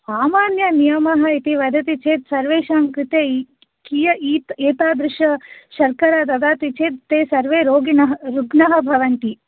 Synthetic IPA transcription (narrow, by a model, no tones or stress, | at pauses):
saːmaːnjɐnijɐmɐɦɐit̪iʋɐd̪ʱɐt̪it͡ʃʰeːt̪sɐɾʋeːʃaːŋkɾit̪eː | kijɐʔiːt̪eːt̪aːd̪ɾɪʃɐʃɐɾkɐɾaːd̪ɐd̪aːt̪it͡ʃeːt̪t̪eːsɐɾʋeːɾoːɡinɐɦɐɾuɡnɐɦɐbʱɐʋɐnt̪i